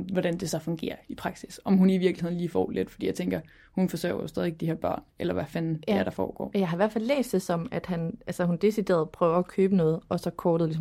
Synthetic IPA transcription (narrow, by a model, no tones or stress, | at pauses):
ʋɒɾ̥ænd̥e̝sɒ̽fɔ̽ŋɡ̥e̝̰ːɐipʰʁɑ̈ɡ̥sisɒ̽mɦuniʋiɐɡ̥liheð̰ˠn̩liːfɒ̰ːled̥fɒd̥ḭːjɑ̈ɪt͡seŋɡ̥ɐ | hunfɒ̽sø̰ːɐjosdɛðˠieɡ̚d̥iheɐb̥ɶɐ̰nelɐʋæfænæɐɾ̥ɑ̈fɒ̰ːɡ̥ɒ̰ːjɑ̈ɪɦɑ̈iʋæɐfælːḛːsd̥e̝sɒ̽mæd̥hænʔælsəhund̥e̝sid̥e̝̰ɐð̩ˠpʰʁœːʊɐɒkʰøːb̥ənɔ̽ːð̞̩ˠɒ̽sɒ̽kʰɒːd̥ðˠis̬m